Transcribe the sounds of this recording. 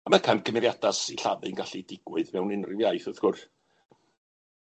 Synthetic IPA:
amakʰanɡəmɛðjad̥asiɬaðɨnɡaɬidɪɡwɪðmɛwnɪnrɪvjajθɔθɡ̥ʊr

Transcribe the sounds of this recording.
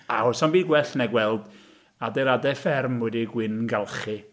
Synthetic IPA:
aʊsɔnbiːɡwɛɬnɛɡwɛlˠd | adɛɾadɛfɛrmːʊdiɡwɪnɡalˠχɨ

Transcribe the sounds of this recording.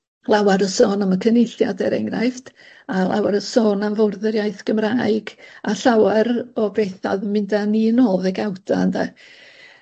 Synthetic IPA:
lˠawaɾəsoːnəməkʰənɪjɬjadɛɾɛ̰ŋrajfd̥ | alˠa̰waɾəsoːnanvɔwrðəɾjajθɡ̥əmraːɨɡaɬawɛɾɔbeθaðəmːɪndaninoːðɛɡawdanda

